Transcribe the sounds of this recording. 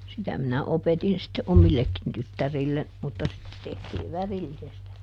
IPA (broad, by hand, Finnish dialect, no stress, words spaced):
sitæ minæ opetin sitːe omilːekːin tytːærilːen mutːɑ sitːe tehtiːʋ ʋærilːisestæ